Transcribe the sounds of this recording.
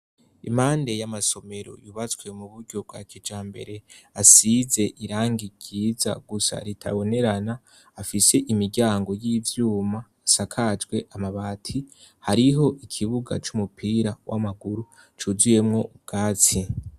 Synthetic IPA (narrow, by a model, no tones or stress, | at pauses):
ḭmhaːnde̞jamaso̞me̞ɾo̞̰juβat͡skwe̞muβuɾɟo̞b̚ɡa̰ːkʰed͡ʒaːmbe̞̰ɾe̞asize̞ʔiɾaːŋɡiɡiːza̰ɡusa̰ɾitʰa̰βo̞ne̞ɾanaː | fise̞ʔimiɾɟaːŋɡo̞jiːvjuːmaːsakʰad͡ʒɡwe̞ʔamaβaːtʰihaɾiɦo̞ʔikʰiβuɡa̰t͡ʃumupʰiːɾawʔa̰maɡuɾu | t͡ʃuzuje̞mŋo̞ɡ̥aːt͡si